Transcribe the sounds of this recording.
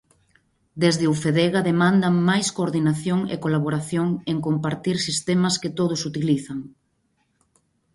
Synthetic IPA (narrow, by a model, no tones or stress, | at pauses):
d̪ezðɪufeðeɣaðemãnd̪ɐmajskoːɾðinaθjoŋḛkolaβ̞oɾaθjoŋeŋkompaɾt̪iɾsist̪emɐskɪt̪oð̞ʊsut̪iliθaŋ